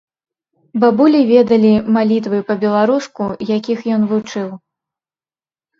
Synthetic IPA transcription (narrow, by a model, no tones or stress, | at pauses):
babulʲivʲɛd̪ɐlʲimalʲit̪vɨpɐbʲɛlˠaɾuskujakʲixjɔnvut͡ʂɨw